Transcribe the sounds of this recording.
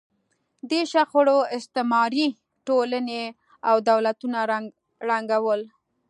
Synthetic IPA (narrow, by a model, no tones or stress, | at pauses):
d̪eʃaxʊɽoɪst̪ɪmɑɾi | ʈoləne | awd̪awlat̪una | ɾaŋɡawəl